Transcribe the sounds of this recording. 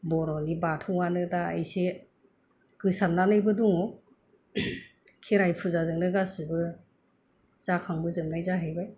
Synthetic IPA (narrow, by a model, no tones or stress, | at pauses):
bɔɾɔnibatʰɯwanɯdaa̰jse | kɯsanːanɯjbɯduŋɔ | kʰeɾajpʰuzazɯŋnɯɡasɯbɯ | z̥akʰaŋbɯzɯmnajzaɦɯjbaj